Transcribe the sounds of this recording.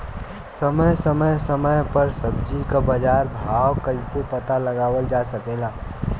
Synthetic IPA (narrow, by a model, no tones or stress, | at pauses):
səməjsəməjsəməjpəɾsəb̚d͡ʒikabəd͡ʒaːɾbʱaːwkɐisepɐt̪alɐɡaːwəld͡ʒaːsɐkelaː